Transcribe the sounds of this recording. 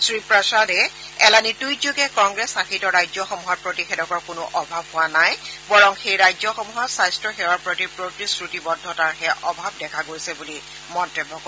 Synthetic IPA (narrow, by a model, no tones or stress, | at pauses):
sɹipɹasadɛ | ɛlanitujzuɡɛkɔŋɡɹɛsakʰitɔɹajzɔxɔmuɦɔt̚pɹotixedɔkɔɹkʊnʊʔɔbʱabɦʊwanajbɔɹɔŋxejɹajzɔxɔmuɦɔtsajstɹɔxɛwɔɹpɹotipɹotɹisɹutibɔdʱːɔtaɹɦɛʔɔbʱab̚dɛkʰaɡojsɛbuli | mɔntɛbʱːɔkɔ